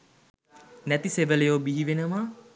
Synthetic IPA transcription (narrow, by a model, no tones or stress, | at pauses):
næt̪iseʋəlejoːbiɦiʋenəma